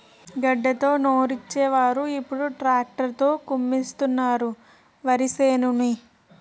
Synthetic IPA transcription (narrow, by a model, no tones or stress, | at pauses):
ɡɐɖːɐt̪o̞ːno̞ːɾit͡ʃːɛːʋaːɾuipːuɽuʈɾaːk̚ʈɐɾt̪o̞ːkumːist̪unːaːɾu | ʋɐɾiseːnumi